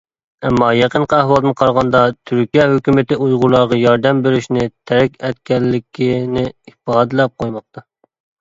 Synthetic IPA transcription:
ɛmːɑːjɛqəɴqəæhwɑlˠd̪ɨnqʰɑɾʁɑnd̪ɑt̪ʰyɾkʲijɛɦøkʲymɪt̪ɪujʁulˠɑɾʁɑjɑɾd̪ɛmbeɾyʃnɪt̪ʰɛɾɛkʲɛt̪̚kʲʰɛlːɪkʲʰinɪifɑːd̪ɨlˠɛp̚qʰojmɑq̚t̪ʰɑ

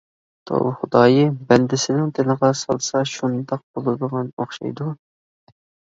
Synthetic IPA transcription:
t̪ʰo̰bχʊd̪ɑːjɨbɛnd̪ɪsɪnɪŋt̪ʰɪləʁɑsɑ̰lˠsɑʃund̪ɑq̚bolˠɨd̪əʁɑnoχʃɑ̰jd̪u

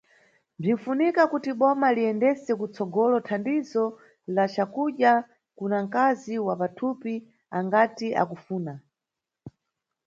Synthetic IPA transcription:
b͡ʐin̩funikakutiɓɔmaliɛndɛsɛkut͡sɔɡɔlɔtʰandizɔ | lat͡ʃakuɗja | kunaŋ̩kaziwapatʰupi | aŋɡatiʔa̰kufuːna

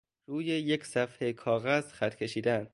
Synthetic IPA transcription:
ruːjejekʰsæfhekʰɒːɣæzxæt̪kʰʲe̞ʃiːd̪ænd̪

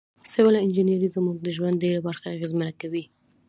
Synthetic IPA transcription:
sɪwɪlaɪnd͡ʒinjaɾizəmuɡ̚d̪əʒwand̪eɾabaɾxaːɣezmanakawi

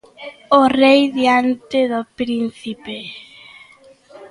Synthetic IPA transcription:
orejðiant̪eðopɾin̟θipe

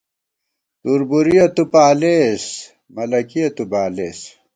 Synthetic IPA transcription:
t̪uɾbuɾijɐt̪upaːles | mɐlɐkijɐt̪ubaːleːs

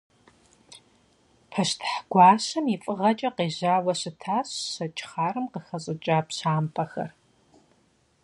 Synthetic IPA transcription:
pʰɐɕtʰħɡ̥ʷɑːɕɐmifʼɨʁɐt͡ʃʼɐqeːʑaːwɐɕɨtʰaːɕːɐt͡ʃʼχaːrɨmqəxɐɕʼɪt͡ʃʼaːpɕaːmpʰɐxɐ̰r

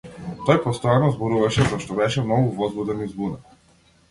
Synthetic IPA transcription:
t̪ɔjpɔst̪ɔjanɔzbɔɾuvaʃɛzaʃt̪ɔbɛʃɛmnɔɡuvɔzvud̪ɛnizbuna

